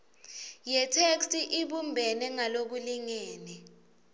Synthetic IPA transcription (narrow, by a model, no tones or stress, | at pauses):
jɛtʰekstʼiʔiɓumbʱɛnɛŋalok̬uliŋɛːnɛ